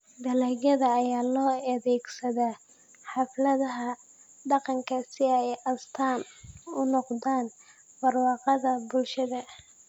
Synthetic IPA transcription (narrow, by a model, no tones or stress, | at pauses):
d̪ɐlɛːɡɐðɐːjaːlɔːɐðɛːɡsɐðaː | ħɑflɐðɐɦɐ | ɖɑqɑŋkʰɐsɪɛjɐst̪ʰaːnʊnɔqd̪aːn | b̥ɐrwɑːqɑðɐbʊlʃɐðɐ